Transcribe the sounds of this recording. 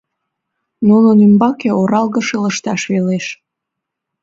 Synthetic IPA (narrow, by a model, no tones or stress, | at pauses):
nunonymbɑkeoɾɑlɣəʃeləʃt̪ɑʃβeleʃ